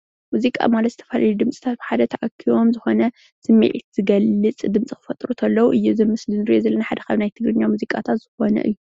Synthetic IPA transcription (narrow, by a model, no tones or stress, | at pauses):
muzikʼa̰malɐt̪zɨt̪ʰɐfɐlalud̪ɨmt͡sʼi̥t̪ʰat̪̚bɨħad̪ɐt̪ʰɐʔɐkʰːiwo̞mzɨxo̞nɐ | sɨmːḭʕt̪z̥ɨɡɐlːɨt͡sʼd̪ɨmt͡sʼikɨ̥fɐt̪ʼɾut̪ʰɐlːɐwuʔɨjːuzɨmɨslɨnɨɾiʔozɐlːɐnaħad̪ɐkaβnajt̪ʰɨɡɾɨɲːamuzikʼat̪ʰat̪z̥ɨxo̞nɐ̰ʔɨjːu